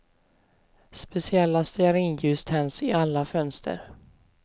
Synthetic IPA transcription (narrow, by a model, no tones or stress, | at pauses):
spɛsɪɛlːast̪ɛæɾɪnjʉ̟ːst̪ʰhɛnsɪalːafœnst̪ʰə̰ɾ